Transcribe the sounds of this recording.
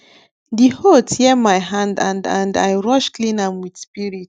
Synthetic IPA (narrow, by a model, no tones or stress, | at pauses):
dihotjɛmajɦãndãndã̰nda̰jɹɔʃklĩnãmwid̥spiɹit